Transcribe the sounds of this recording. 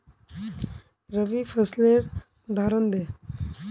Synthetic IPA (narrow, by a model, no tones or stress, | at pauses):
ɾəʋipʰəsleɾ | d̪ʱaɾənd̪e